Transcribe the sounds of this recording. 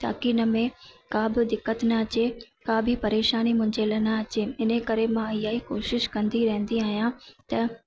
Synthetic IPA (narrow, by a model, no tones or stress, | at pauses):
t̪a̰ːkiːnə̆mẽkãːbɪd̪ɪkːət̪nɐɐt͡ɕe | kãːbʱɪpɐɾeːʃaːnimʊ̃ɦɪ̃ɲd͡ʑelɐnaɐt͡ɕeɪnekɐɾemãɪjaːikoːʃɪʃkɐ̃nd̪iɾɐɦə̃nd̪iaːɦjãt̪ɐ